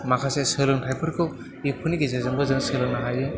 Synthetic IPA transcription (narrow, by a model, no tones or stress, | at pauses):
makʰasesɯlɯŋtʰajpʰɯɾkʰɯw | ipʰɯniɡizazɯŋbɯzɯŋsɯlɯŋnaɦajɯ